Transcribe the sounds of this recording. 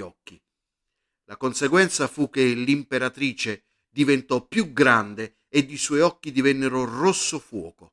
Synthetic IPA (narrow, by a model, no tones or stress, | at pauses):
ɔkːi | lakonseɡwɛnt̪safuk̟ːelimpeɾat̪ɾiːt͡ʃe | d̪ivent̪ɔpːjuɡɾand̪eː | d̪ːiswɔjɔkːid̪ivɛnːeɾʊrosːofwɔːko